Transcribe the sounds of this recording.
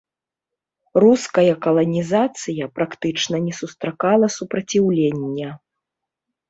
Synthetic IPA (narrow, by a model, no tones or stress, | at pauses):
ruskɐjɐkɐlˠɐnʲizat̪sɨjɐpɾakt̪ɨt͡ʂnɐnʲɛsust̪ɾakalˠɐsupɾɐt͡sʲiwlʲenʲːɐ